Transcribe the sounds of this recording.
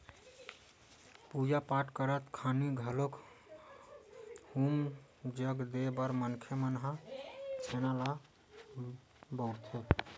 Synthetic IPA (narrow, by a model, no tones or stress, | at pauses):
pud͡ʒapaʈkəɾət̪kʰaniɡʱəlok | hum | d͡ʒəɡd̪ebəɾmənkʰəmənɦat͡ʃʰenala | bəwɾt̪ʰo